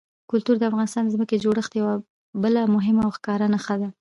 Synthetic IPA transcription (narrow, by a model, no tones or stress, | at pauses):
kʊlt̪uɾd̪əafɣɑnɪst̪ɑnd̪əzməked͡ʒoɽəxt̪jawa | bəlamʊɦɪmawxkɑɾanaxad̪a